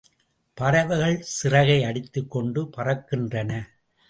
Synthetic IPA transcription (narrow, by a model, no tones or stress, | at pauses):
pɐɾɐʋɯɣɐɭsɪrɐɣɐɪɐɽɪt̪ːɯkːɔɳɖɯpɐrɐkːɪndrɐnɐ